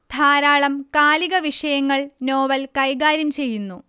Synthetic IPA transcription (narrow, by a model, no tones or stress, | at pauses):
d̪ʱaːɾaːɭɐmkaːliɣɐʋiʂɐjɐŋːɐɭno̞ːʋɐlkɐjɡaːɾjɐmt͡ɕe̞jːunːu